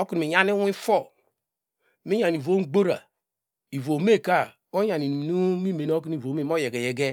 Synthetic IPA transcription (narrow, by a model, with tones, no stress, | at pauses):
o˦ki˨n˨i˨ɲa˦ni˦i˦fo˦˨ | mi˦ja˨n˨i˨vo˦ɡ͡bo˦ɾa̰˨ | i˨vo˨me˦˨ka˦˨ | o˦ja˨ni˨nu˦mi˦me˨n˦o˦ki˦ni˨vo˨m˦e˦˨m˦o˦je˨ɡe˨jɛ˨ɡe˦